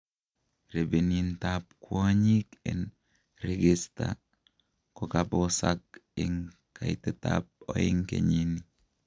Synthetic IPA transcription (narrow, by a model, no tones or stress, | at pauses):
ɾebenintap̚kwoɲikḛn | ɾeɡesta̰ | kɔkabosak̚ɪŋ | kaitɛta̰p̚ɔ̰iŋkḛɲini